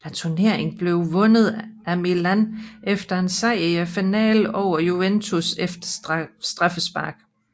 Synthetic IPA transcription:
læt͡sʰuɐne̝ɐ̰e̝ŋn̩b̥le̝ʊʋɔ̽nð̞̩ˠæmilænʔefd̥ɐe̝nsɑɪ̰iæfinɛ̰ːlɒʊ̰ɐjuent͡sʰusefd̥ɐsd̥ʁɑfəsb̥ɑ̈ɡ̥

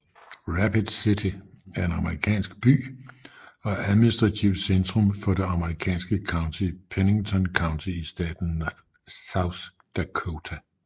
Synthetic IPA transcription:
ʁæpʰid̥sit͡sʰiæɐe̝nɑ̈məʁikʰɛ̰ːnsɡ̥̚b̥y̰ː | ɒ̽ʔæðˠminisd̥ʁɑ̈t͡sʰiʊd̥send̥ʁɔmfɒ̽de̝ɑ̈məʁikʰɛ̰ːnsɡ̥əkʰɑ̈ʊ̃nt͡sʰipʰene̝ŋt͡sʰɒ̽nkʰɑ̈ʊnt͡sʰiisd̥ɛ̰ːd̥n̩ | saʊs | d̥ækʰot͡sʰæ

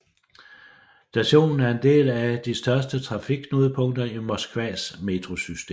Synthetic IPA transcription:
d̥æɕo̝̰ːnn̩æɐe̝nd̥e̝̰ːlæd̥isd̥ɶɐsd̥ət͡sʰʁɑ̈fiɡ̥ʰnoːð̞ˠəpʰɔ̽ŋ̰d̥ɐimɒsɡ̥ʋɛ̰sme̝t͡sʰʁo̝sysd̥ḛm

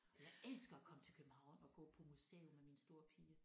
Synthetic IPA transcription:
jaɪʔel̰sɡ̥ɐækʰɒ̽mət͡sʰe̝lkʰøb̥m̩hɑ̈ʊ̰nɒ̽ɡ̥ɔ̰ːpʰɒ̽musḛːomeminsd̥o̝ɐpʰiːɐ

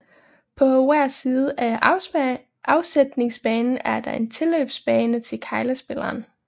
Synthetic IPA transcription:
pʰɒ̽ʋæɐ̰siːð̞̩ˠʔæ | ʔɑ̈ʊsed̥ne̝ŋsb̥ɛːnn̩æɐd̥ɑ̈e̝nt͡sʰe̝løːb̥sb̥ɛːnət͡sʰe̝lkʰɑ̈ɪləsb̥e̝lɐːn

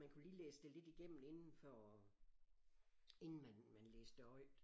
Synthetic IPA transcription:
mænkʰuliːleːsəd̥e̝le̝d̥iɡ̥em̰n̩e̝nn̩fɒ | e̝nn̩mænmænleːsd̥əɒɪ̰d̥

